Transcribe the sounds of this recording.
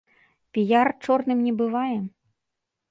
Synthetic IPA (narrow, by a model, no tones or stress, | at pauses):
pʲijart͡ʂɔrnɨmnʲɛbɨvajɛ